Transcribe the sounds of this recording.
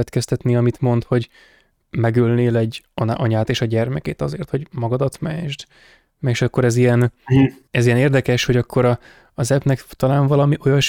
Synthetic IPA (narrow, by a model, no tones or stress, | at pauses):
ɛt̪kɛst̪ɛt̪niɒmit̪mo̞nt̪ho̞ɟ | mɛɡølneːlɛɟːɒnɒɲaːt̪eːʃɒɟɛrmɛkeːt̪ɒzḛːrt̪ho̞ɟmɒɡɒd̪ɒt̪mɛ̰ʒd̪ | mɛʃɒkːo̞ɾɛzijɛn | ɛzijɛneːrd̪ɛkɛʃho̞ɟɒkːo̞ɾɒː | zɛbnɛkt̪ɒlaːɱvɒlɒmiʔo̞jɒʃ